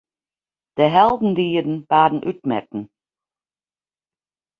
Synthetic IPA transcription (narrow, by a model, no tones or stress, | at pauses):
d̥əɦɛlˠdn̩diːədn̩b̥aːdn̩ʔyt̚mɛ̰tn̩